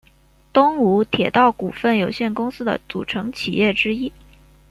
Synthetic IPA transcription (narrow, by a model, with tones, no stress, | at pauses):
t̪ʊ˥ŋu˧˥t̪ʰjɛ˨˩t̪ɑ˥˩ʊku˨˩fə˥˩njo˨˩ʊɕjɛ˥˩nkʊ˥ŋsɹ̩˥d̪ə̰˨t͡sṵ˨˩ʈ͡ʂʰɤ˧˥ŋt͡ɕʰi˨˩jɛ˥˩ʈ͡ʂɻ̩˥i˥